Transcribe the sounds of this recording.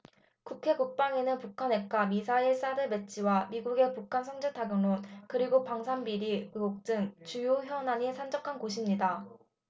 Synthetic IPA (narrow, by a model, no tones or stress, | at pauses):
kukʰe̞kuk̚p͈aŋinɯnpukʰane̞k͈amisʰaiɭs͈adɯme̞t͡ɕ͈ʰiwamiɡuɡe̞pukʰansʰʌŋd͡ʑetʰaɡɯŋonkɯɾiɡopaŋsʰanbiɾiok̚t͡ɕ͈ɯŋt͡ɕujoçjʌnaɲisʰand͡ʑʌkʰanɡoɕʰimɲida